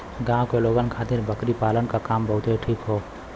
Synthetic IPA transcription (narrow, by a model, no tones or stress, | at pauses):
ɡãːkeloːɡənkʰaːt̪ɪɾbəkɾipaːlənkakaːmbəɦʊt̪ɦeʈʰiːkɦoː